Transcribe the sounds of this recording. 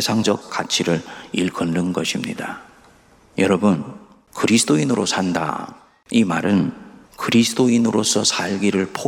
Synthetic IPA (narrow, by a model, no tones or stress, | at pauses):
esʰaŋd͡ʑʌk̚k͈at͡ɕʰiɾɯɭiɭkʰʌnːɯnɡʌɕʰimɲḭda | jʌɾʌbɯn | kɯɾisʰɯ̥d̥oinɯɾosʰanda̰ | imaɾɯnkɯɾisʰɯdoinɯɾosʰʌsʰaɭɡiɾɯɭpʰo